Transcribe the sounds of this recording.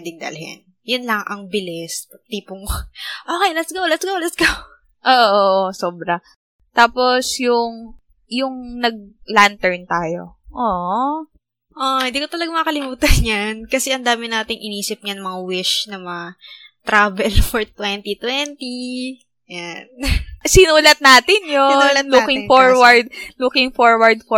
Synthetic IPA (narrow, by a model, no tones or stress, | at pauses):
ɛd̪ɪŋd̪ɐ̰lhɛ̰n | jʊnlɐŋʔɐ̰ŋbɪlɪspɐt̪iːpʊŋʔoːkɛjlɐsɡawlɐsɡawlɐsɡɐw | ʔoːʔoʔsoːbɾɐ | t̪aːpo̞sjʊŋ | jʊŋnɐɡ̚lant̪ɛɹnt̪aːjo̞̰ʔoːʔ | ʔohɪnd̪iːkot̪ɐlɐɡamɐkɐlɪmuːt̪ɐnɲankɐsɛʔɐnd̪aːmɪnaːt̪ɪŋʔɪniːsɪp̚ɲanɐmɐŋawɪʃnɐmɐŋa | t̪ɾaːvɛlfoɹt̪wɛnt̪it̪wɛnt̪i | jansinuːlɐt̪̚naːt̪ɪnjonlukɪŋfoɹwɐɹd̪̚lukɪŋfoɹwɐɹd̪̚fo